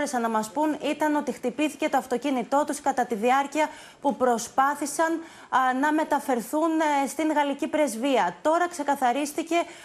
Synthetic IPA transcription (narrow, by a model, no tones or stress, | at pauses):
ɾesɐnɐmɐspunit̪ɐno̞t̪ixt̪ipiθi̥ce̞t̪oɐft̪o̞cinit̪o̞t̪uskɐt̪ɐt̪iðiɐɾciɐ | pupɾo̞spɐθisɐn | nɐme̞t̪ɐfe̞ɾθunst̪iŋɣɐlicipɾe̞zviɐt̪o̞ɾɐkse̞kɐθɐɾist̪ice̞